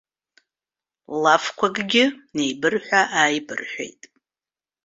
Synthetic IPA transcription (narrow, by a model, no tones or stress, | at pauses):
lafkʷʰaɡʼɡʲɪne̞jbɨrħᶣʷaʔaːjbɨ̰rħʷᶣḛjtʼ